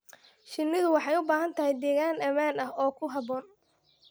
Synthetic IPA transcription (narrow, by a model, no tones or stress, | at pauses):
ʃɪnːɪðʊwɑħɑjʊbaːɦɐnt̪ʰɐɦɛjd̪ɛːɣaːnɐmaːnɐɦɔːkʰʊɦɐbɔːn